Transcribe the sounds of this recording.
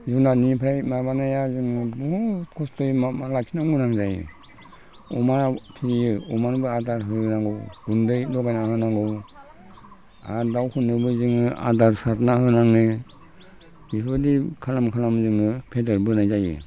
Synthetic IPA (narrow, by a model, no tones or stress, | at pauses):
zunanipʰɾajmabanajazɯŋɯbɔkʰɔstɔjmmalasʰinaɡɯnaŋzajɯ̰ | ɔmaɾtʰijɯɔmaɾbɯadaɾɦɯnaŋɡɯwɡ̥undɯjlɔɡajnahɯnaŋɡɯw | a̰dawhɯnɯbɯzɯŋɯʔa̰daɾsatnahɯnaŋɯ | bibɯdikʰalamkʰalamzɯŋɯpʰedəɾbɯɾnajzajɯ̰